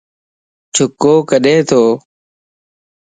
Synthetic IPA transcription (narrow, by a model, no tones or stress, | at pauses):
t͡ʃʰʊkoːkəɗẽːt̪ʰoː